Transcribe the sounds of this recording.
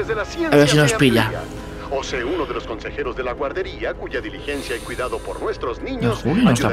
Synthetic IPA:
zðesaβes̬inospiʎa | oseunoðe̞losko̞nse̞xe̞ɾozðe̞laɣwaɾðe̞ɾiakuʝaðilixensjaekwiðaðopoɾnwest̪ɾoznĩɲeosulinost̪a

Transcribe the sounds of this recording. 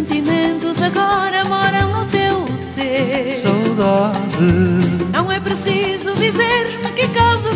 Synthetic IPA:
nt̪imẽnt̪uzɐɣɔɾɐmɔɾɐ̃w̪̃awt̪ewsesawðaðɨnɐ̃w̃ɛpɾɨsizuðizeɾkuɾkɨkazɐ

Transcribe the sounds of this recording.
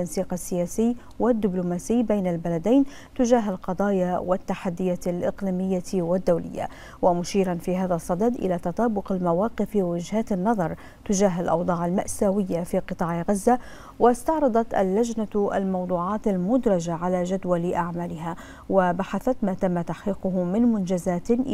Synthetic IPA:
t̪ːansiːqasːɪjaːsɪjː | wɪd̪ːɪblʊmaːsɪjːbajnalbalad̪ajn | t̪ʊʒaːɦalqɑd̪ˤɑːjawɪt̪ːaħad̪ːɪjaːt̪alʔɪqliːmɪjːawɪd̪ːawlɪ̰jːa̰ | wamʊʃiːɾɑnfiːɦaːðasˤːɑd̪ɑd̪ʔɪ̰laːt̪ɑt̪ˤɑːbʊqalmawɑːqɪfwɪd͡ʒhaːt̪anːɑðˤɑɾˤ | t̪ʊd͡ʒaːɦalʔɑ̰wd̪ˤɑːʕalmaʔsaːwɪjːafiːqɨt̪ˤɑːʕɪɣazːa | wɪst̪ɑʕɾˤɑd̪ˤɑt̪ʔa̰lːad͡ʒnaʔa̰lmɑwd̪ˤuːʕɑːt̪almʊd̪ɾˤɑd͡ʒaʕalaːʒad̪walʔaʕmaːlɪɦa | wabaħaθat̪maːt̪amːat̪aħqiːqʊhmɪnmʊnd͡ʒazaːt̪

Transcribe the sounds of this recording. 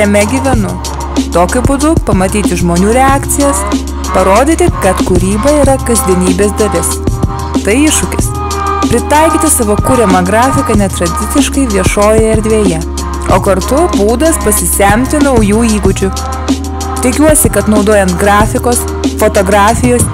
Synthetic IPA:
jʲɛmʲɛɡʲiʋʲɛnʊ | t̪oːkʲʊbʊd̪ʊpɐmɐt̪ʲiːt̪ʲɪʒmoːnʲuːɾʲɛaːkt̪sʲɪjɛs | pɐɾoːd̪ʲiːt̪ʲɪkɐt̪kʊɾʲiːbɐiːɾɐkɐzʲd̪ʲiɛnʲiːbʲeːsd̪ɐlʲɪs | t̪ɐɪɪʃːʊkʲɪs | pʲɾʲɪt̪ɐˑɪkʲiːt̪ʲɪsɑʋoːkʊɾʲɛmɐɡɾɑːfʲɪkɐnʲɛt̪ɾɐd̪ʲɪt̪sʲɪʃkɐɪʋʲiɛʃoːjɛɪɾʲd̪ʲʋʲeːjɛ | oːkɐɾt̪ʊbuːd̪ɐspɐsʲɪsʲɛmʲt̪ʲɪnɐʊjuːiːɡʊd͡ʒʲʊ | t̪ʲɪkʲuɔsʲɪkɐt̪nɒʊd̪oːjɛnt̪ɡɾɑːfʲɪkoːs | fot̪oːɡɾɑːfʲɪjoːs

